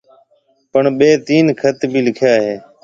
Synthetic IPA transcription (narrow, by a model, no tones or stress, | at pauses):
pəɳɓeːt̪iːnkʰət̪bʱiːlɪkʰjaːɦeː